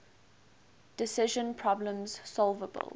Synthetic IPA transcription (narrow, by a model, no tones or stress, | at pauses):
d̥ɪsɪʒə̃npʰɹ̥ɔblə̃mz̥sɔlˠvəbə̰l